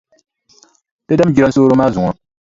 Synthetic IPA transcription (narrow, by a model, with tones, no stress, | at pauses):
pe˦da˦m˦d͡ʒi˦ɾa˦n̩˦soː˦ɾo˦maː˦zu˨ŋɔ˨